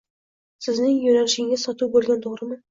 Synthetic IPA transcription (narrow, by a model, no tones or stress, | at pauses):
sɪznɪŋjɵnæɾɪʃɪɪŋʲæsɒt̪ubɵlɡʲænt̪ʰoʁɾəmə